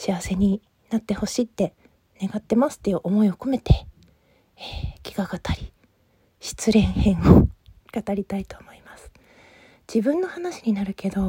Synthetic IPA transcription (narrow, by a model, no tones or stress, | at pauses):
ɕiaβase̞ɲ̟i | nat̪ːe̞ho̞ɕiːt̪ːe̞ | ne̞ɡat̪ːe̞masɨ̥t̪ːe̞jɯ̟ʔo̞mo̞io̞ko̞me̞t̪e̞ | eːkʲi̥ɡaɡat̪ʰaɾʲi | ɕi̥t͡sɨɾẽ̞ɰ̃hẽ̞ɰ̃okat̪aɾʲit̪ait̪o̞ːmo̞imasɨ̥ | d͡ʑibɯ̟̃nːo̞hanaɕi̥ɲ̟inaɾɯ̟ke̞d̪o̞